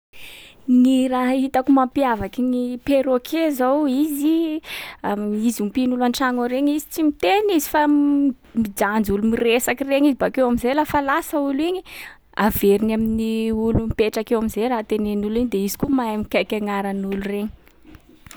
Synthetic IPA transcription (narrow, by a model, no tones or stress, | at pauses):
niɾaɦit̪akumampiavakinipeɾokʰezowizi | amizumpinulanʈ͡ʂaŋoɾeɲizi̥t͡simit̪enizifa | mid͡ʒand͡zulumiresakireɲizibakewamizelafalasauliɲi | aveɾinaminiulumipeʈ͡ʂakewamizeɾat̪enenuliɲd̪eizi̥kumajamikakʲaŋaɾanulureɲi̥